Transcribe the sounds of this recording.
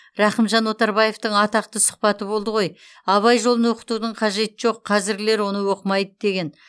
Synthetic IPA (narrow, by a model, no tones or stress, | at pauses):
ɾɑqəmʒɑnwo̞t̪ɑɾbɑje̞ft̪əɴɑt̪ɑq̚t̪əsʊ̥qpɑt̪əbo̞lˠd̪əʁo̞j | ɑβɑjʒolˠənwo̞qə̥t̪ud̪əɴqʰɑʒe̞t̪ɪʒo̞qʰːɑzɪɾɡʲɪle̞ɾwo̞nəwo̞qəmɑjd̪əd̪e̞ɡʲe̞n